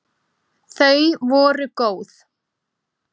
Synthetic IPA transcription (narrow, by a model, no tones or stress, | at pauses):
θœɥvɔːɾʏkoːwθ